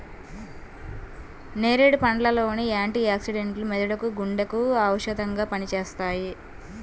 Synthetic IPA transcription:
neːɾeɽipɐɳɖlɐlo̞ːniaːɳʈiaːksiɽeɳʈlumɛd̪uɽɐkuɡuɳɖɐkuaːwɐʃɐd̪ɐŋɡaːpɐnit͡ʃeːst̪aːji

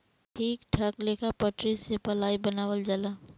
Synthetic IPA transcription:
ʈʰiːkʈʰɐkleːkapəʈɾisepɐlaːibɐnaːwəld͡ʒalaː

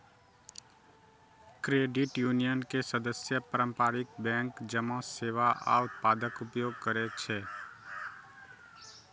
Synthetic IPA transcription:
kɾeːɖɪʈjuːnijənkesəd̪əsjəpəɾə̃mpaːɾɪkbɛ̃ːŋkd͡ʒəmãseːʋaʔa̰ːʊt̪̚paːd̪əkʊpjoːɡ̚kəɾet͡ʃʰeː

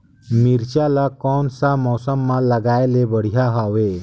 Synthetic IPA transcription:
miɾt͡ɕalakɔnsamɔsəmːaləɡajlebəɽ̤ijaɦaʋe

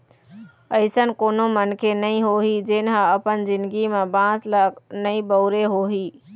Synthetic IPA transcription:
əɪsən̆koːnomənkʰenəĩɦoɦid͡ʒenɦãəpənzɪ̃nd̪ɡimẽbãːsləknəĩbəʊɾeɦoɦiː

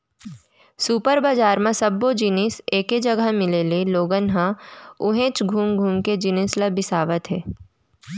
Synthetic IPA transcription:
suːpəɾbaːd͡ʒaːɾmẽsɐbːod͡ʒiniseːked͡ʒɐɡəmɪleleloːɡənɦãʊɦẽːt͡ʃɡʱuːmɡʱuːmked͡ʒinɪsləbɪsaːʋət̪ɦɛː

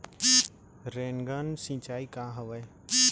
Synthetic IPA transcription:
ɾeːnɡaːnsɪ̃t͡ʃaːiːkaːɦəʋə

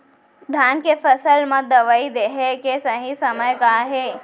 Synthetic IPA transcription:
d̪ʱankepʰəsəlmãd̪əʋəid̪eɦekesəɦĩsəməjkaɦe

